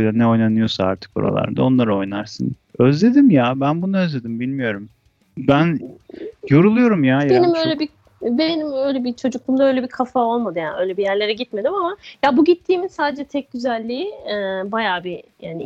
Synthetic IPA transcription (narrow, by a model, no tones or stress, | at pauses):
lʲanɛo̞jnanɯjo̞saaɾt̪ʰɯ̥k̚oɾa̰lˠa̰ɾd̪ao̞nlˠaɾɯo̞jnaɾsɯ̰n | øzlʲe̞d̪imjabænbunuøzlʲe̞d̪imbilʲmijo̞ɾum | bæn | jo̞ɾulˠujo̞ɾumjajabenimøjlʲɛbi | benimø̞jlʲebit͡ʃʰo̞d͡ʒuklˠumd̪aø̞jlʲebikʰafao̞lˠmad̪ɯjaːnø̞jlʲebijæɾlʲe̞ɾɛɟit̪me̞d̪imamajabuɟit̪ʰːiːminsaːd̪ed͡ʒɛt̪ʰɛc̚ɟyzælʲːiːɛbajaːbijaːni